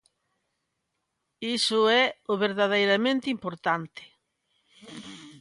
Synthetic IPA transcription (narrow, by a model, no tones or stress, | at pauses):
isʊɛʊβeɾðaðejɾamẽnt̪ɪimpoɾt̪ant̪ɪ̥